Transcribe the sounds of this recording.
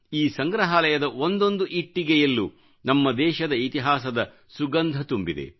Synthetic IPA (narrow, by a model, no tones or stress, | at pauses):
iːsɐŋɡɾɐɦaːlɐjɐd̪ɐʔo̞nd̪ond̪uʔiʈːiɡɛjɐlːu | nɐmːɐd̪ɛːʃɐd̪ɐit̪iɦaːsɐd̪ɐ | suɡɐnd̪ʱɐt̪umbid̪e̞̰